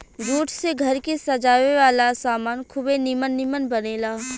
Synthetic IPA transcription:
d͡ʒuːʈʰseɡʱɐɾkesɐd͡ʒaːʋeʋaːlasaːmaːnkʰʊbenɪmənːɪmənbɐneːlaː

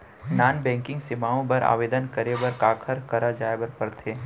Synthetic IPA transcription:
naːnbɛ̃ːŋkɪ̃ŋɡsɪmaːõbɐɾa̰ːʋeːd̪ənkəɾebɐɾkaːkʰəɾkɐɾad͡ʒaːebɐɾpɐɾt̪ʰeː

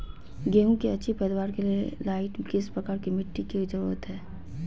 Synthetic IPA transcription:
ɡeːũkiɐtːʃʰipɛd̪waːɾkelielaːɪʈkeɪspɾɐkaːɾkimɪʈːikizəɾṵːɾət̪ɦɛː

